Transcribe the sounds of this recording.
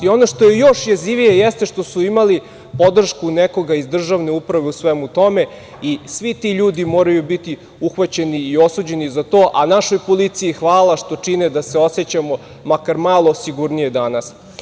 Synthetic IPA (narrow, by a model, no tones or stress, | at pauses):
io̞noʃt̪oje̞jo̞ʃjaziʋijejest̪e̞ʃt̪o̞suimali | po̞d̪r̩ʃkuneko̞ɡaizd̪r̩ʒaʋne̞upɾaʋe̞usʋemut̪o̞me̞ | isʋit̪iʎuːd̪imo̞ːɾajubit̪i | uxʋat͡ɕe̞niːo̞suːd͡ʑe̞nizat̪o̞ːʔanaʃo̞jpo̞lit̪siixʋaːlˠaʃt̪o̞t͡ʂined̪aseo̞set͡ɕamo̞ | makaɾmaːlˠosiɡuɾnijed̪anas